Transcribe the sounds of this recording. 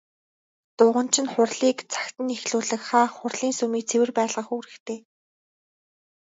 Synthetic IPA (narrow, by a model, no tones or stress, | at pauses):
t̪ʊːʁə̆nt͡ɕʰɪ̆nχʊrɮiːkt͡sʰḁkt̪ɘ̆nexɮuːɮɘ̆kχaːχʊrɮiːnsɵmiːk̚t͡sʰewɘ̆rpæːɮʁə̆xuːɾɘ̆kt̪ʰeː